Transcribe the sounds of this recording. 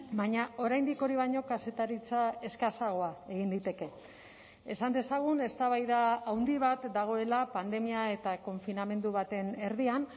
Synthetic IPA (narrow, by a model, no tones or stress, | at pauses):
baɲao̞ɾajnd̪iko̞ɾiβaɲo̞kase̞t̪aɾit͡sae̞skasaɣ̞o̞ae̞ɣ̞ind̪it̪e̞ke̞ | esand̪e̞saɣ̞une̞st̪aβajðaːwnd̪iβ̞at̪d̪aɣ̞o̞e̞lapand̪e̞miae̞t̪ako̞ɱfiname̞nd̪uβat̪e̞ne̞ɾðian